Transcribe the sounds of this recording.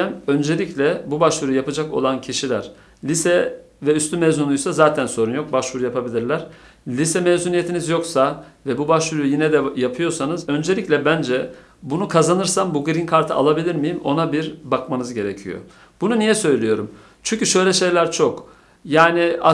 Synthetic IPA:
æmø̞nd͡ʒe̞lʲiclʲɛbubaʃvuɾujapad͡ʒako̞̰lˠancʰiʃilʲæɾ̥ | lʲisɛ | vɛyst̪ʰymɛzunujsazaːt̪ʰænso̞ɾunjo̞k̚baʃvuɾujapʰabilʲiɾlʲæɾ̥ | lʲisɛmevzunijet̪ʰinizjo̞ksavɛbubaʃvuɾujujinɛd̪ɛjapʰɯjo̞sanɯzø̞nd͡ʒe̞lʲicʲlʲɛbænd͡ʒɛ | bunukʰazanɯɾsambuɡɾinkʰaɾt̪ʰɯa̰lˠabilʲiɾmijimo̞nabiɾbakmanɯzɟe̞ɾe̞cʰijo̞̰ | b̥ununijɛsø̞jlʲijo̞ɾum | t͡ʃʰyɲcyʃø̞jlʲɛʃe̞jlʲæɾt͡ʃʰo̞k | jaːnia

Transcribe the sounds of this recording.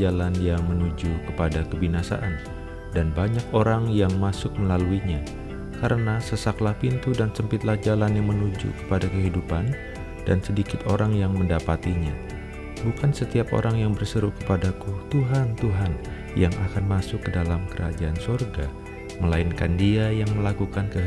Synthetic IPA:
alanjaŋmənud͡ʒukəpadakəbinasa̰ʔan | danbaɲakoɾaŋjaŋmasʊk̚məlaluiɲa | kaɾənasəsaklahpint̪udansəmpit̪lahd͡ʒalanjaŋmənud͡ʒṵkə̥padakəɦidupan | d̥ansədikɪt̪oɾaŋjaŋməndapat̪iɲa | bukansət̪iap̚ʔo̰ɾʔaŋjaŋbərsəɾuhkə̥padakut̪uɦant̪uɦan | jaŋʔakanmasʊkːədalamkəɾa̰d͡ʒaːnsorɡa | məlainkandiajaŋməlakukankə

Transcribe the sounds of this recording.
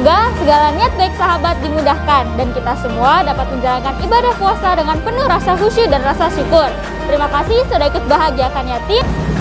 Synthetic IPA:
ɡasəɡalaniat̪̚baik̚saɦabat̪̚dimudahkandankit̪asəmuadapat̪̚məɲd͡ʒalankanibadahkuasadəŋanpənʊhrasaɦusidanrasasukʊr | t̪əɾimakasɪhsudaikʊt̪̚baɦaɡiakanjat̪i

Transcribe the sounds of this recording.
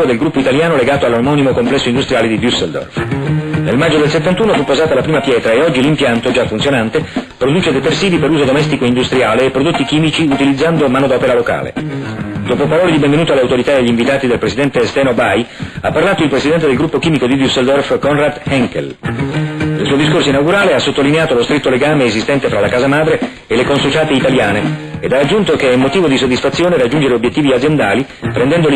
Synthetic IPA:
od̪elɡɾupːoit̪aljaːnoleɡaːt̪oalːomɔnimokomplɛsːoind̪ust̪ɾjaːled̪id̪jusːeld̪ɔ̰rfnelmad͡ʒːod̪elset̪ːant̪uːnofupːozaːt̪alapɾiːmapjɛːt̪ɾaeɔd͡ʒːilimpjant̪od͡ʒafunt̪sjonant̪epɾod̪uːt͡ʃed̪et̪ersiːvipeɾuːzod̪omɛst̪ikoind̪ust̪ɾjaːleːpːɾod̪ot̪ːik̟iːmit͡ʃiut̪ilid̪zːand̪omaːnod̪ɔːpeɾaloka̰ːlḛd̪oːpopaɾɔːled̪ibeɱvenuːt̪oaleawt̪oɾit̪aeʎːiɱvit̪aːt̪id̪elpɾesid̪ɛnt̪est̪ɛːnobajapːarlaːt̪oilpɾesid̪ɛnt̪ed̪elɡɾupːokiːmikod̪id̪usːeld̪ɔrfkɔnrat̪hɛŋkḛl | ilsuːod̪iskorsoinawɡuɾaːleasːot̪ːolineaːt̪olost̪ɾit̪ːoleɡaːmeːzist̪ɛnt̪efɾalakaːzamaːd̪ɾe | elːekonsut͡ʃaːt̪eit̪aljaːneed̪arːad͡ʒːunt̪okeɛmːot̪iːvod̪isod̪ːisfat̪sːjoːnerad͡ʒːund͡ʒeɾeobjet̪ːiːviad̪zjend̪aːli | pɾɛnd̪ɛnd̪ol

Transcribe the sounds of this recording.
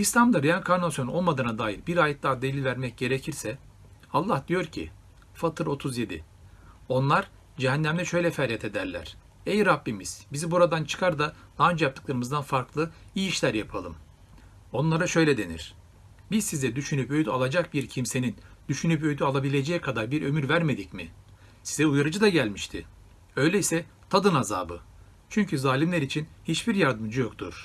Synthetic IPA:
ist̪ʲamd̪aɾijankʰaɾnasjo̞no̞lˠmad̪ɯːnad̪aːjiɾbiɾaːjɛt̪lˠaɾd̪elʲilʲvæɾmɛc̚ɟ̥e̞ɾecʰiɾsɛ | alˠːahd̪ijo̞ɾcʰḭ | fat̪ʰɯɾo̞t̪ʰuzje̞d̪ḭ | o̞nlˠaɾ̥ | d͡ʒeɦænːæmlʲɛʃø̞jlʲɛfæɾjɛt̪ʰe̞d̪æɾlʲæ̰ɾ̥ | ɛjɾabːimiz̥bizibuɾad̪ant͡ʃʰɯ̥kʰaɾd̪alˠand͡ʒjap̚t̪ʰɯ̥klˠaɾɯmɯzd̪anfaɾklˠɯiːiʃlʲæɾjapʰalˠɯm | o̞nlˠaɾaʃø̞jlʲɛd̪e̞nḭɾ̥ | bizsizɛd̪yʃynypø̞jd̪alˠad͡ʒak̚biɾcʰimse̞nind̪̥yʃynypøjyd̪yalˠabilʲe̞d͡ʒɛjɛkʰad̪aɾbiɾø̞̰myɾvæɾme̞d̪icmi | sizɛujaɾɯd͡ʒɯd̪aɟælʲmiʃt̪ʰɪ | ø̞jlʲeisɛt̪ʰad̪ɯnaza̰ːbɯ | t͡ʃʰyɲcʰyzaːlʲimlʲæɾit͡ʃʰinhit͡ʃbiɾjaɾd̪ɯmd͡ʒɯjokt̪ʰṵɾ̥

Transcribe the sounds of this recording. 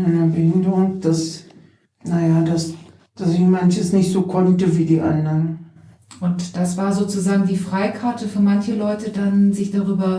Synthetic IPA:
anɐbɪndəʊnd̥as | najaːdas | d̥asɪçmançəsnɪçtz̥oːkʰɔntəviːdiːʔandɐʁn | ʔʊntd̥asv̥aːɐzoːt͡suzaːɡŋ̩diːfʁ̥aɪkʰaɐtəfyːɐmançəlɔʏtədanzɪçd̥aʁyːbɐ

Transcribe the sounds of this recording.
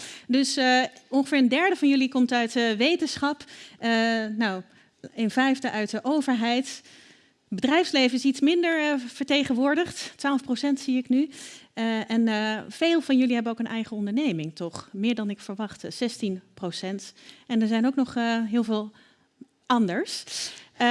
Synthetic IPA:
dɵsɔnχəfɪːɹəndɛɹdəvɑnjɵlikɔmtœɥtʋejtənsχɑp | naw | ɪnvɛjvdəʔœɥt̚əʔowvəɹɦɛjt | bədrɛjfslejvənɪsitsmɪndəɹv̥əɹtejχənʋʊːɹdəχttʋaːlˠəfprosɛntsiɪkny | ɛnfeːlˠvɑnjɵliɦɛbənowkənʔɛjχəɔndəɹnejmɪŋtɔχmɪːɹdɑnɪkfəɹʋɑχtsɛstinprowsɛntɛnəɹzɛjnoʊwknɔχɦɪːlˠvɪːlˠ | ʔɑndəɹs

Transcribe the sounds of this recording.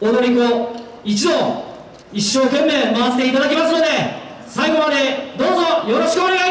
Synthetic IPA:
od̪o̞ɾʲiko | it͡ɕid̪o̞ | iɕːo̞ːkẽ̞mːe̞ːmaβase̥t̪e̞it̪ad̪akʲemasɨno̞d̪e̞ | saiɡo̞βane̞d̪o̞ːzo̞jo̞ɾo̞ɕi̥kɯone̞ɡa

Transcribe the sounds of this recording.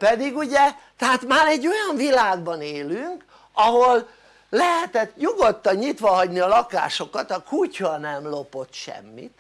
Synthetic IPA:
pɛd̪iɡuɟɛt̪ɛɦaːt̪maːɾɛɟːo̞jɒɱvilaːɡ̚bɒneːlyŋk | ɒɦo̞lː | ɛɦɛt̪ɛt̪ɲuɡo̞t̪ːɒɲɲit̪ʋɒɦɒɟniɒlɒka̰ːʃo̞kɒt̪ɒkucɒnɛmlo̞po̞t̪ʃɛ̰mːḭt̪

